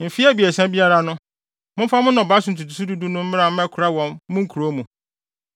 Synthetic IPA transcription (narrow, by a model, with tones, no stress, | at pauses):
m̩˨fi˦a˦bi˨e˨sã˦bi˦a˦ɾa˦nʊ̃˦ | mʊ̃˦m̩˦fa˦mʊ̃˦nɔ̃˨ba˨˦sʊ˨n̩˨tʰu˨tu˨s̬u˦du˦du˦nʊ̃˦m̩˦mɪ̃˦ɾa˨m̩˦mɛ̃˦kʰʊ˨ɾa˦wɔ̃˨m˦mʊ̃˦ŋ̩˦kʰu˨ɾo˦mũ˨